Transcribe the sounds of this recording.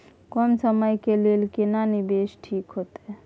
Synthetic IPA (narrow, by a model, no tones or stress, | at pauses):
kɔmsəməjkelelkenanibesʈʰikɦot̪e